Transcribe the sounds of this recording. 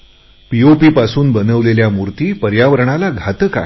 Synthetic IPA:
piopiːpasuːnbənəʋleljamuɾt̪iːpəɾjaʋəɾɳ̃alaɡʱat̪əka̰ɦ

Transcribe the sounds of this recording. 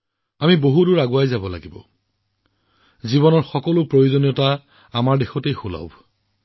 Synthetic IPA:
amiboɦudʊɹaɡʊajzabɔla̰ɡibɔ̰ | zibɔnɔɹxɔkɔlʊpɹojozonijɔta | amaɹdexɔtejxula̰ʊ

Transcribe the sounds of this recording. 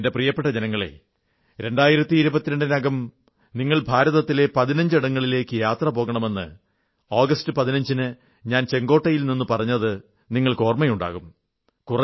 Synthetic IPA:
nde̞prijɐpːe̞ʈːɐd͡ʑenɐŋːɐɭe̞̰ | ɾe̞ɳɖaːjiɾɐt̪ːiːɾubɐt̪ːiɾeɳɖinɐɡɐm | niŋːɐɭbʱaːɾɐðɐt̪ːile̞pɐðinɐɲd͡ʑiɽɐŋːɐɭile̞ːkːɨjaːt̪rɐpo̞ːɣɐɳɐmenːɨ̰ | oːɡɐstɨpɐðinɐɲd͡ʑinɨ | ɲaːnt͡ɕe̞ŋɡo̞ːʈːɐjilninːupɐrɐɲːɐðɨ | niŋːɐɭko̞ːrmɐjuɳɖa̰ːɣum | kurɐ

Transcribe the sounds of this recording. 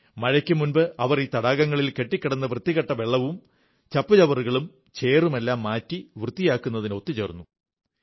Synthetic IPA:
mɐɻɐkʲːɨmunbɨɐʋɐriːt̪ɐɽaːɣɐŋːɐɭilke̞ʈːikʲːɐɽɐnːɐprɨt̪ːiɣɐʈːɐʋe̞ɭːɐʋum | t͡ɕɐpːut͡ɕɐʋɐruɣɐɭum | t͡ɕeːrume̞lːaːmːaːtːiʋrɨt̪ːijaːkːunːɐðino̞t̪ːit͡ɕeːrunːu

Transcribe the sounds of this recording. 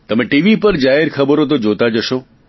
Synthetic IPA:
t̪əmeʈiʋipəɾd͡ʒaɦeɾkʰəbəɾot̪̬od͡ʒot̪ad͡ʒəʃo

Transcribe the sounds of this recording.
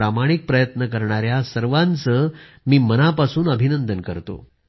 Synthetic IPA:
ɾamaɽ̃ik̚pɾəjət̪nəkəɾɳaɾjasəɾʋãnt͡səː | miːmənapasuːnəbʱinənd̪ənkəɾt̪o̰

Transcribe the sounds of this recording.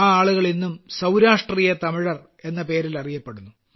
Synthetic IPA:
aːɭuɣɐɭinːumsɐwɾaːʂʈriːjɐt̪ɐmiɻɐr | e̞nːɐpe̞ːɾilɐrijɐpːe̞ɽunːu

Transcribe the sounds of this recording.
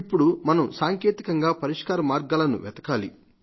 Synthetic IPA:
ipːuɽumɐnɐmsaːŋkeːt̪ikɐŋɡaːpɐɾiʂkaːɾɐmaːɾɡaːlɐnṵʋɛt̪ɐ̥kaːlḭ

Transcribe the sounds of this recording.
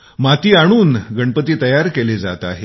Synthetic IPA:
mat̪iːaɽ̃uːnɡəɳpət̪iːt̪əjaɾkeled͡za̰t̪a̰ɦe

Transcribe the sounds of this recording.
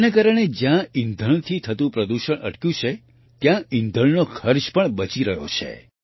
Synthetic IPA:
nakaɾəɽ̃ed͡ʒjãind̪ʱəɳ̃t̪ʰit̪ʰət̪ũpɾəd̪uʃəɳʔə̰ʈkjũt͡ʃʰe | t̪jãɪnd̪ʱəɳnokʰəɾʃpəɳbət͡ʃiɾəɦjo̰t͡ʃʰḛ

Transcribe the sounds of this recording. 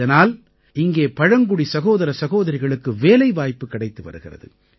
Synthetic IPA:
ɐnaːl | ɪŋɡeːpɐɻɐŋɡʊɽisɐɣoːðɐɾɐsɐɣoːðɐɾɪɣɐɭɯkːɯʋeːlɐɪʋaːjpːɯkːɐɽɐɪt̪ːɯʋɐ̰ɾɯɣɪrɐ̰ðɯ̰

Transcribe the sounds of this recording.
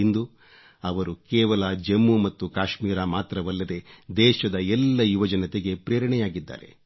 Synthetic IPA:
ind̪u | ɐʋɐɾukɛːʋɐlɐd͡ʒemːumɐt̪ːukaːʃmiːɾamaːt̪ɾɐʋɐlːɐd̪e̞d̪ɛːʃɐd̪ɐɛlːɐjuʋɐd͡ʒɐnɐt̪eɡe̞pɾɛːɾɐɳɛjaːɡid̪ːa̰ːɾe̞̰

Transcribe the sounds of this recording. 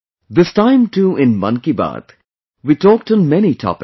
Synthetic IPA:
d̪ɪstãɪ̃mʈuɪ̃nmʌ̰̃nkiba̰ːt̪ | ʋitɔːk̚ʈɔ̃nmɛnitʰɔ̰pɪ

